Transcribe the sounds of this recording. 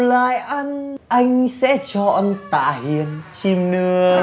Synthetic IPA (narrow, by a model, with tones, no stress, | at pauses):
la̰ː˧˨jʔa˧nʔa˧jŋ̟sɛ̰˧˥t͡ɕɔ˧ʔə˧ŋt̪a̰ː˧˨ɦi˧˨˩ənt͡ɕi˧mnɨ˧ə